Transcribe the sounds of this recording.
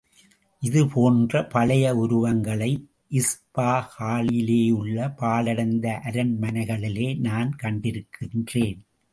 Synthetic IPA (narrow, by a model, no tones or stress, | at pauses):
ʔɪðɯpʰoːndrɐpɐlɐjɐʊɾʊʋɐŋɡɐɭɐɪ | ʔɪspaːhaːɭɪleːjɯɭːɐpaːlɐɽɐnd̪ɐʔɐɾɐnmɐnɐɪɣɐɭɪleːnaːnkɐɳɖɪɾɯkʰːɪndreːn